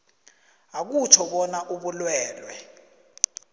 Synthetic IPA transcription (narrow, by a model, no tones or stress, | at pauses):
ak̬ut͡ʃʰɔɓɔnaʔuɓulwɛːlwɛ